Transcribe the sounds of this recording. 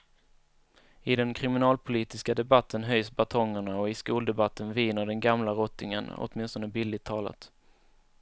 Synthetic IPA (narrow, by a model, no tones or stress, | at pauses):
ɪd̪ɛnkʰɾɪmɪnɑːlpʰʊliːt̪ɪskad̪ɛbat̪ʰːənɦœjsbat̪ʰɔŋːəɳaɔɪskuːld̪ɛbat̪ʰːənviːnəɖɛnɡamlaɾɔt̪ːɪŋə̰nɔ̰t̪mɪnst̪ɔnd̪əbɪlːɪt̪ʰːɑːla̰t̪